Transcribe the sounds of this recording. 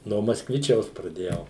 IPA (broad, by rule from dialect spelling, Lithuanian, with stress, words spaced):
noː mɐskˈʋʲɪt͡ʃʲɛʊs prɐˈdʲeːjɛʊ